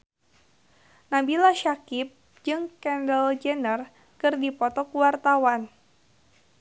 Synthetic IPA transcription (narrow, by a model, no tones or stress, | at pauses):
nabilaʃakip̚ | d͡ʒɨŋkɛndəld͡ʒɛnər | kɨrdipɔt̪ɔkuwart̪awan